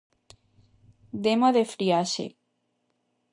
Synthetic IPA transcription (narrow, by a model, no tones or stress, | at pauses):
d̪emoðefɾiaʃḛ